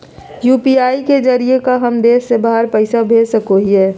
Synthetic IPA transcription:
juːpiaːiked͡ʒɐɾiekaɦɐmd̪eːsːebaːɦəɾpɛɪsabʱeːd͡ʒsɐkoɦiɦɛː

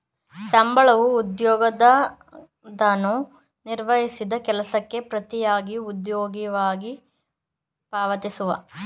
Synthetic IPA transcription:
sɐmbɐɭɐʋuːd̪jɔːɡɐd̪ɐ | d̪ɐnu | niɾʋɐɦisid̪ɐkɛlɐsɐkːe̞pɾɐt̪ijaːɡiud̪joːɡiʋaːɡi | paːʋɐt̪isuʋɐ

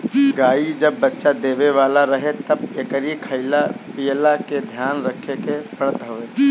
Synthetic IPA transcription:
ɡaːid͡ʒəbːətːʃad̪eːʋeʋaːlaɾəɦet̪əb̚ekəɾikʰəɪlapijlaked̪ʱjaːnɾəkʰekepəɽət̪ɦəʋeː

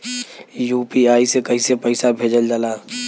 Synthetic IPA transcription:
juːpiaːisekɐisepəɪsabʱeːd͡ʒəld͡ʒaːlaː

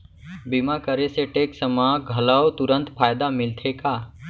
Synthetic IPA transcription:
bimakəɾeseʈeːksəmãɡʱəlaot̪ʊɾə̃nt̪pʰaːjd̪amɪlt̪ʰekaː

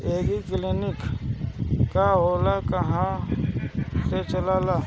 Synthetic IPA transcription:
eːɡiklinɪk | kaɦoːlakɐɦã | set͡ʃəlaːlaː

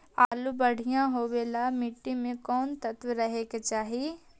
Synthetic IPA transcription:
aːlubɐɽ̤ijãɦoːʋeːlamɪʈːimẽkɔːnt̪ɐt̪wɾɐɦeket͡ʃaːɦi

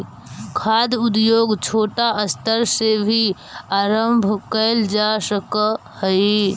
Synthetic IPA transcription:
kʰaːd̪ʊd̪joːɡt͡ʃʰoːʈaʔəst̪əɾsebʱi | aːɾəmbʱkəɪld͡ʒasək | həi

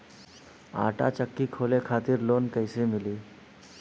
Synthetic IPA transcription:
a̰ʈa̰t͡ɕəkːiːkʰolekʰat̪iːɾlonkəjsemiliː

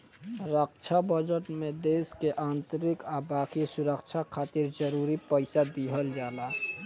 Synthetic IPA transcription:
ɾəkt͡ʃʰabəd͡ʒəʈmed̪eːskeʔaːnt̪əɾɪkabaːkisuɾəkt͡ʃʰakʰaːt̪iɾd͡ʒəɾuɾipəɪsad̪iɦəld͡ʒaːla

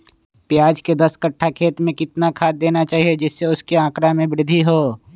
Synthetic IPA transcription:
pjaːd͡ʒked̪ɐskɐʈʰːakʰeːt̪mẽkɪt̪nakʰaːd̪̚ːeːnat͡ʃaːɦied͡ʒɪsːeʊskeãːkɾamẽbɾɪd̪ʱːiɦoː

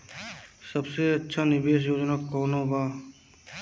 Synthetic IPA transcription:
sɐbseɐtːʃʰanɪbeːʃ̬joːd͡ʒnakɔːnobaː

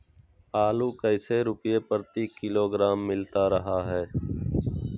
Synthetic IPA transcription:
aːluːkəɪseːɾʊpɪjeːpəɾt̪iːkɪloːɡɾaːmːɪlt̪aːɾəɦaːɦɛː

